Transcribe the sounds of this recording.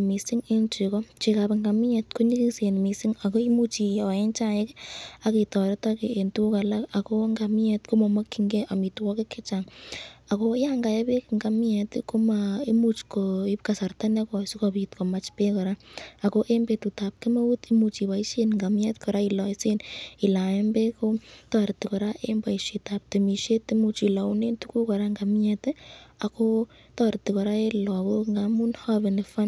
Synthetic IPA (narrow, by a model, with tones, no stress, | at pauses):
mi˨si˦ŋe˦nt͡ʃi˨kɔ˦t͡ʃi˧kapeŋɡa˨mi˦ɛ˧tku˦ni˦ki˦se˨nmi˨si˦ŋa˨ko˦i˦mu˦t͡ʃi˨ɔ˨e˦nt͡ʃa˦je˦ka˨ki˨tɔ˨ɾe˦taki˨e˨ntu˦ka˨la˦ka˨ko˦ŋɡa˨mi˦ɛtko˦mo˨ma˦kːi˨ŋɡeʔa˨mi˨twɔ˦ke˦kʰːe˦t͡ʃaŋa˨ko˦ja˦ŋɡa˨je˦be˦kŋɡa˨mi˦ɛ˨tko˦mai˦mut͡ʃkoi˦pka˨sa˨rta˦ne˦kɔ˨si˦kopi˨tko˨ma˨t͡ʃpe˦kɔ˨ɾa˦a˨ko˦ʔe˦mbe˨tu˨ta˨p̚ke˦ma˦wu˦ti˦mu˧t͡ʃi˨βa˨i˦ʃe˦nŋɡa˨mjɛ˦tkɔ˨ɾa˦i˧lɔ˨˦se˦ni˨la˨e˦mbe˦ko˦tɔ˦ɾti˨kɔ˨ɾa˦ʔe˦mba˨i˨ʃi˨ta˨p̚te˨mi˨ʃe˦te˦mu˧t͡ʃi˨la˨u˦ne˦ntu˦ku˦kɔ˨ɾa˦ŋɡa˨mjɛ˨ta˨ko˦ | tɔ˦ɾti˨kɔ˨ɾa˦e˦lɔ˨ko˦ŋɡamu˦nha˦βe˨ne˨fa˦n